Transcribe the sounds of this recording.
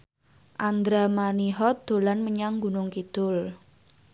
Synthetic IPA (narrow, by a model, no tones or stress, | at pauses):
ʔand̪ɾamaniɦɔd̪̥o̤lanməɲaŋɡunʊŋkid̪̥ʊl